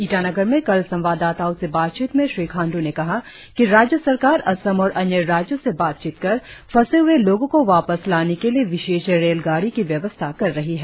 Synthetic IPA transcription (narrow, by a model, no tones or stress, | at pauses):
iːʈanɐɡəɾmẽkɐlsɐ̃mʋaːd̪aːt̪aːõsebaːt̪̚t͡ʃiːt̪mẽʃɾiːkʰãːɳɖunekɐɦa | kiɾaːd͡ʒjəsɐɾkaːɾɐsəmɔːɾʔɐnjəɾaːd͡ʒjõsebaːt̪̚t͡ʃiːt̪kɐɾpʰɐseɦʊeloːɡõkoʋaːpəslaːnekelieʋɪʃeːʃɾeːlɡaːɽikiʋjɐʋəst̪ʰakɐɾːɐɦiɦɛː